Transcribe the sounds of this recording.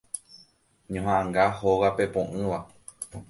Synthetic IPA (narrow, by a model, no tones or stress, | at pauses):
ɲõɦããŋɡahowape̞põʔɨ̃ʋa